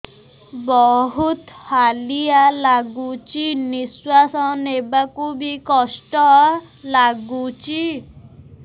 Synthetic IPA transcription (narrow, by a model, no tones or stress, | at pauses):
bɔɦut̪halijalaɡut͡ʃiniswasɔnebakubikɔsʈɔ | laɡut͡ʃi